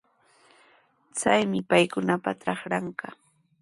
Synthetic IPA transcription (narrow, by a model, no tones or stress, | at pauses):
t͡sajmɪpajkʊnapaʈ͡ʂɑχɾɑɴɢɑ